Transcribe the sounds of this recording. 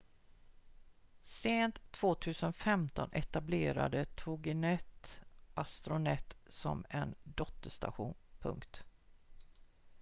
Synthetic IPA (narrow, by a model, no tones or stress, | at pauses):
seːnt̪ʰːv̥oːt̪ʰʉ̟ːsənfɛmt̪ɔnʔɛt̪ableːɾa̰d̪ət̪ʰʊɡɪnɛt̪ʔast̪ɾʊnɛt̪sɔ̰mɛnd̪ɔt̪ːəʂt̪a̰ɧuːnpʰɵ̰ŋkt̪